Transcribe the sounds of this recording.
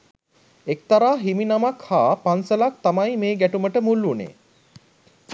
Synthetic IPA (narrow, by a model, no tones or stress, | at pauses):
ek̚t̪aɾaːɦiminamakhaːpansəlak̚t̪amajmeːɡæʈuməʈəmulːunḛː